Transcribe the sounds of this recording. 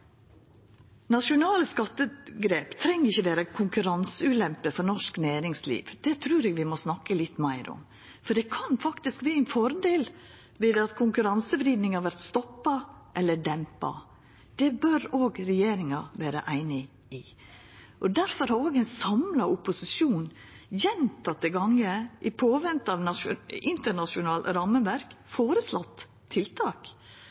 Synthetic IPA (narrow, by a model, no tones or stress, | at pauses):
nɑʂʊnɑːləskɑt̪ːəɡɾeːpt̪ʰɾɛŋːəɾɪçːəʋeːɾəkʰʊŋkʉɾɑnsəʉːlɛmpəfɔɾnɔʂknæːɾɪŋslḭːʋd̪̥ɛt̪ʰɾʉːɾɛːɡʋɪmɔsnɑkːəlɪt̪ːmæɪɾʔɔ̰m | fɔɖɛkʰɑnfɑkt̪ɪskʋiːɛɪnfɔɾd̪eːl | ʋɪd̪ɑt̪kʰʊŋkʉɾɑnsəbɾiːd̪nɪŋhɑɾʋæɾt̪st̪ɔpːɑʔɛlːəɖɛmpɑ̰ | d̪̥ɛbœɾoːɡɾɛjeːɾɪŋɑʋæːɾə̰ʔæɪnɪ | ɪ | ʔɔd̪æɾfɔɾhɑɾoːɡæɪnsɑmlɑʊpʊsɪʂuːn | jɛnt̪ɑt̪ːɛɡɑŋːəʔɪpʰoːʋɛnt̪ɑʋnɑɪnt̪əɳɑʂʊnɑːlɾɑmːəʋæɾkfoːɾəslɔt̪ʰː | ɪlt̪ʰɑːk